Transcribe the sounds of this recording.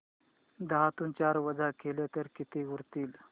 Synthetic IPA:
d̪əɦat̪uːnt͡ɕaɾʋəd͡zakelet̪əɾkit̪iɡuɾt̪iːl

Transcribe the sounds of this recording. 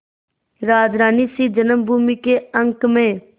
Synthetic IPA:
ɾaːd͡ʒɾaːniːsiːd͡ʒənəmbʱuːmikeːəŋkmẽː

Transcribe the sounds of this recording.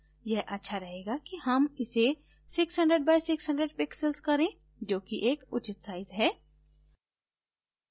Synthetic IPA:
jɛɦʔɐtːʃʰaɾɐɦeːɡakiɦɐmɪse | sɪksɦɐ̃ɳɖɾəɖbaːɪsɪksɦə̃ɳɖɾəɖpɪksəlskɐɾẽː | d͡ʒoːkiʔeːkʊt͡ʃɪt̪saːɪzɦɛː

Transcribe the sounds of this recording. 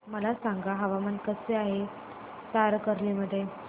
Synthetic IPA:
məlasãŋɡaɦəʋamənkəseaɦe | t̪aɾkəɾliməd̪ʱːje

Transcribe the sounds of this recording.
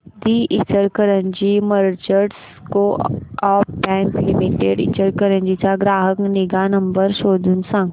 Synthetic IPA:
d̪iːʔɪt͡ʃəɾkəɾə̃ɲd͡ʒimɐɾt͡ʃəɖs | koɔːpbɛ̃ːŋklɪmiʈeːɖɪ̰t͡ʃəɾkəɾə̃ɲd͡ʒit͡ʃaɡɾaːɦəknɪɡanɐ̃mbəɾʃoːd̪ʱunsə̃ŋɡ

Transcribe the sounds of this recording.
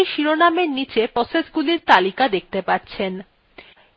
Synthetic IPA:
ʃiɾonameɾnit͡ɕepɾɔsesɡuliɾt̪alikad̪ek̚ʰt̪epaɾt͡ɕʰen

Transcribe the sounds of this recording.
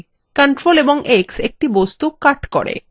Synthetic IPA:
kəɳʈɾoleboŋʔeksek̚ʈibost̪ukaɾʈkɔ̰ɽḛ

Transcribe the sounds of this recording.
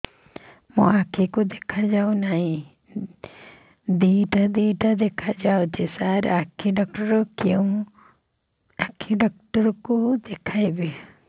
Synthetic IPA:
mũakʰikud̪ekʰad͡ʒawnaɦĩ | d̪iʈad̪iːʈad̪ekʰad͡ʒaod͡ʒesaɾakʰiɖɔk̚ʈɔɾɔkew̃ | akʰiɖɔk̚ʈɔɾɔkud̪ekʰajbe

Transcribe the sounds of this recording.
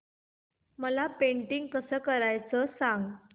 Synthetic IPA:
məlapeɳʈiŋɡ̚kəsəːkəɾajt͡səːsãŋɡ

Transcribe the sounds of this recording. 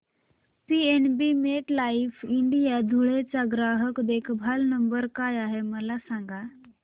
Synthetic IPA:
pienbimeʈlaifiɳɖijad̪ʱuɭet͡saɡɾaɦəkd̪ekʰbʱalnəmbəɾkajaɦeməlasaŋɡa

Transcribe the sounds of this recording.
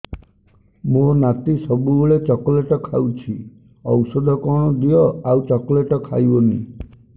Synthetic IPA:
monat̪isɔbubuɭet͡ʃɔkɔleʈɔkʰawt͡ʃʰi | ɔwsɔd̪ʱɔkɔɽ̃ɔd̪ijɔawt͡ʃɔkɔleʈɔkʰa̰jbɔni

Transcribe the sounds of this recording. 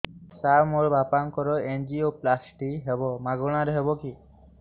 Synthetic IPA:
samoɾbapankɔɾɔend͡ʒioplasʈiɦebɔmaɡɔɽ̃aɾeɦebɔki

